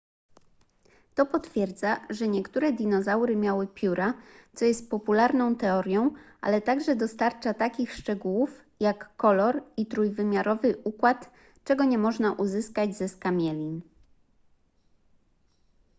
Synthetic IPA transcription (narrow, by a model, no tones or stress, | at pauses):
t̪ɔpɔt̪fʲjɛɾd̪zaʐɛɲɛkt̪uɾɛd̪ʲinɔzawɾɘmʲjawɘpʲjuɾʔat̪sɔjɛst̪̚pɔpulaɾnɔ̃w̃t̪ɛɔɾʲjɔ̃w̃ʔa̰lɛt̪aɡʐɛd̪ɔst̪aɾt͡ʂat̪akʲixʂt͡ʂɛɡuwuf | jakːɔlɔɾit̪ɾujvɘmʲjaɾɔvɘʔukwat̪ | t͡ʂɛɡɔɲɛmɔʐnaʔuzɘskad͡ʑzɛskamʲjɛlʲin